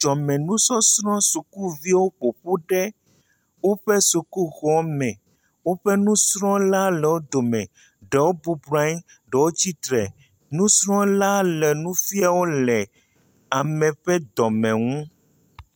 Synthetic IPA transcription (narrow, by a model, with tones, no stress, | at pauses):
d͡ʒɔ˨mɛ̃˨nũ˦sɔ˦sɾɔ̃˦su˨ku˦vi˦wo˦ɸo˨ɸu˦ɖɛ˦ | wo˦ɸɛ˦su˨ku˦ɣɔ˨mɛ̃˨ | wo˦ɸɛ˦nũ˦sɾɔ̃˦la˦lɛ˨wo˦d̪o˨mɛ̃˨ | ɖɛ˨wo˦bu˦bɾa˦i˦ | ɖɛ˨wo˦t͡ɕi˦t̪ɾɛ˨ | nũ˦sɾɔ̃˦la˦lɛ˨nũ˦fi˦a˨wo˦lɛ˨ | a˨mɛ̃˨ɸɛ˦d̪ɔ˨mɛ̃˨ŋũ˦